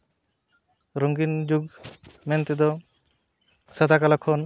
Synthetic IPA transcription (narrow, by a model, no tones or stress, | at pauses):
ɾɔŋɡind͡ʒuɡmɛnt̪ɛd̪ɔ | sad̪akalakʰɔn